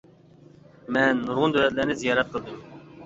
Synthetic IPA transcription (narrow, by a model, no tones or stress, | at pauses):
mɛnːuɾʁʊnd̪øɾɛt̪̚læɾnɪzijɑːɾɛt̪̚qʰəlˠd̪ɨm